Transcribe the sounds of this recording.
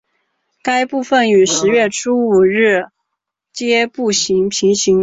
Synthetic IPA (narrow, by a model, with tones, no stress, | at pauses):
ka˥ɪpu˥˧fə˥˩ny˨˩ʂɻ̩˧˥ɥɛ˥˩ʈ͡ʂʰu˥u˨˩ɻ̩˥˩ | t͡ɕjɛ˥pu˥˩ɕi˧˥ŋpʰi˧˥ŋɕi˧˥ŋ